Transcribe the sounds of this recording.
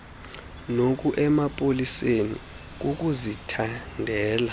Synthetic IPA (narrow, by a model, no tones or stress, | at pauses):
nok̬ʼuʔɛmapʼolisenḭ | k̬uk̬ʼuzitʰandʱɛːla